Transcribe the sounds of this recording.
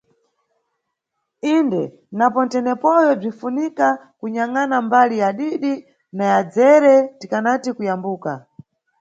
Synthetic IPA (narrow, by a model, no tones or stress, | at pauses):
indɛ | napɔn̩tɛnɛpɔjɔb͡ʐinfunika | kuɲaŋanambalijaɗiɗi | najad͡zɛɾɛtikanatikujambuːka